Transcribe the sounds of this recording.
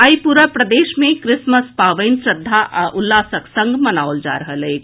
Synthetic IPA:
əipuɾəpɾəd̪eːʃmẽkɾɪsməspaːʋəɪnsɾəd̪ʱːaʔʔʊlːaːsəksə̃ŋɡmɐnaːʋʊld͡ʒa̰ɾəɦəleː

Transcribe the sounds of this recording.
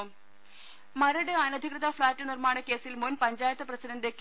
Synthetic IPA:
mɐɾɐɽeaːnɐd̪ʱikrɨðɐfɭaːtːɨnirmaːɳɐke̞ːsilmunpɐɲd͡ʑaːjɐt̪ːɐprɐsɐnɐnd̪eːkː

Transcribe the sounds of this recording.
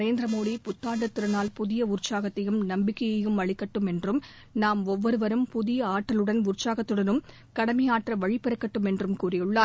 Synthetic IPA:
ɾeːnd̪ɪɾɐmoːðipʊt̪ːaːɳɖɐt̪ːɪɾɐnaːlpʊðɪjɐʊɾt͡ʃːaːɣɐt̪ːɐjɯmnɐmbɪkːɐjɐjɯmɐɭɪkːɐʈːɯmɛndrɯm | naːmɔʋːɔɾɯʋɐɾɯmpʊðɪjɐaːʈːɐlɯɽɐnʊɾt͡ʃaːɣɐt̪ːɯɽɐnɯm | kɐɽɐmɐjaːʈrɐʋɐɻɪpɪɾɐkːɐʈːɯmɛndrɯmkuːrɪjɯɭːaː

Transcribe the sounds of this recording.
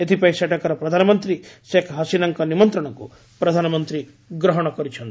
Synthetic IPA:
et̪ʰipɐjsɛʈɐkɐɾɐpɾɐd̪ʱanɐmɐnt̪ɾiʃekʰɦɐsinɐŋkɐnimɐnt̪ɾɐɳɐkṵ | pɾɐd̪ʱaːnɐmɐnt̪ɾi | ɡɾɔɦɔɽ̃ɐkɔɾit͡ʃʰɐnt̪

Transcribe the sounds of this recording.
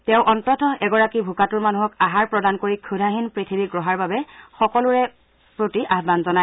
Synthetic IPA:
tɛʊ̃ʔɔntɔtɔɛɡɔɹakibʱukatuɹmanuɦɔkaɦaɹpɹɔdankoɹikʰudʱaɦinpɹitʰibiɡɹɔɦaɹbabɛxɔkɔlʊɹɛ | pɹotiʔaɦbanzɔna

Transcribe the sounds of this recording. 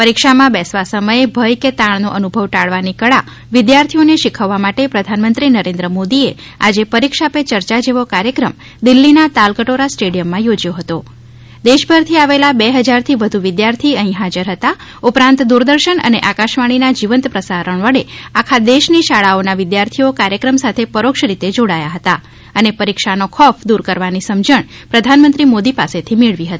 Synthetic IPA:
pəɾikʃamãbɛsʋasəməjebʱəjket̪ãɳnoʔənubʱəʋʈaɭʋanikəɭa | ʋɪd̪jaɾt̪ʰioneʃɪkʰəʋːamaʈepɾəd̪ʱanmənt̪ɾinəɾẽnd̪ɾəmod̪ie | a̰d͡ʒepəɾikʃapet͡ʃəɾt͡ʃad͡ʒeʋokaɾjəkɾəm | d̪ɪlːinat̪alkəʈoɾasʈeɽijəmːãjod͡ʒjoɦət̪o | d̪eʃbʱəɾt̪ʰiaʋelabeɦəd͡ʒaɾt̪ʰiʋəd̪ʱuʋɪd̪jaɾt̪ʰiəɦĩɦad͡ʒəɾɦət̪a | upɾãnt̪d̪uɾd̪əɾʃəɳə̰neʔakaʃʋaɽ̃inad͡ʒiʋənt̪pɾəsaɾəɳʋəɽeakʰad̪eʃniʃaɭaonaʋɪd̪jaɾt̪ʰiokaɾjəkɾəmsat̪ʰepəɾokʃɾit̪ed͡ʒoɽajaɦət̪a | ənepəɾikʃanokʰɔpʰd̪uɾkəɾʋanisəmd͡ʒəɳ̃ | pɾəd̪ʱanmənt̪ɾimod̪ipaset̪ʰimeɭʋiɦət̪i

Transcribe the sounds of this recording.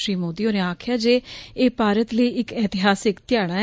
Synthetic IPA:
ʃɾiːmoːd̪iːoːneaːkʰjaːd͡ʒeːeːpaːɾət̪ləiːɪkɛːt̪ɪɦaːsɪkt̪ɪjaːɽ̃aː

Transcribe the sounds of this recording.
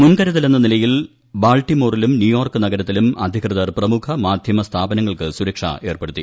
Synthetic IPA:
munkɐɾɐðilenːɐnilɐjil | baːlʈimo̞ːrilumnjujoːrkɨnɐɡɐɾɐt̪ːilumɐ̰d̪ʱjɐkrɨðɐrprɐmukʰɐmaːd̪ʱjɐmɐst̪ʰaːbɐnɐŋːɐɭkɨsuɾɐkʂɐ̰e̞ːrpe̞ɽut̪ːi

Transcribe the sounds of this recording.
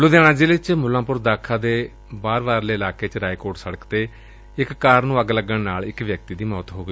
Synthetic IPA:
luːd̪ɛːɽ̃aːd͡ʒelɪt͡ʃmʊlãːpʊɾd̪aːkʰaːd̪eː | baːɾbaːɾleːəlaːkeːt͡ʃɾaːikoːɾʈsəɽəkt̪eː | ɪkːaːɾnũːəɡləɡəɳnaːlɪkʋjək̚t̪iːd̪iːmɔːt̪ɦoːɡ

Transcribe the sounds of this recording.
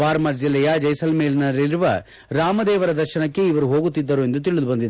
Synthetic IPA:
aːɾmɐɾd͡ʒilːɛjɐd͡ʒɐjsɐlmeːlnɐliɾuʋɐ̰ | ɾaːmɐd̪ɛːʋɐɾɐd̪ɐɾʃɐnɐkːe̞iʋɐɾuɦo̞ːɡut̪ːid̪ːɐɾue̞nd̪ut̪̬iɭud̪ubɐnd̪id̪

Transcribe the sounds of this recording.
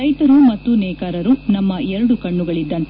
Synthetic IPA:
ɐjt̪ɐɾumɐt̪ːunɛːkaːɾɐɾunɐmːɐɛɾɐɽukɐɳːuɡɐɭid̪ːɐnt̪

